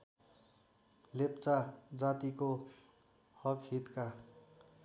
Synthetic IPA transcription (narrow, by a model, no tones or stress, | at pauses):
lept͡sad͡zat̪iko | hʌkɦit̪ka